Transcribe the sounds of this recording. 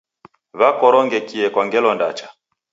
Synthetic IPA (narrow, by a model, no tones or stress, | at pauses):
βakɔɾɔŋɡɛkiɛkwaŋɡɛlɔnda̰t͡ʃḁ